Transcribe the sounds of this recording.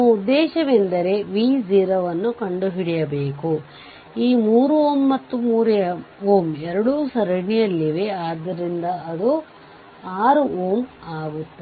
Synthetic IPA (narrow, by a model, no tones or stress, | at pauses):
ud̪ːɛːʃɐʋend̪ɐɾe̞ʋiːziːɾɐʋɐnːukɐɳɖuɦiɽijɐbeːku | iːmuːɾuoːmːɐt̪ːumuːɾɐoːmɛɾɐɽusɐɾɐɳijɐlːiʋeaːd̪ːɐɾind̪ɐɐd̪u | aːɾuoːmaːɡut̪ːe